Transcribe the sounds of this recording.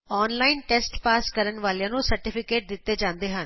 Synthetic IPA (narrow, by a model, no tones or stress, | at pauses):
ɔːnlaːɪnʈɛːsʈpaːskəɾənʋaːlejãːnũsəɾʈɪpʰɪkeːʈ̚d̪ɪt̪ːeːd͡ʒãːnd̪eːɦən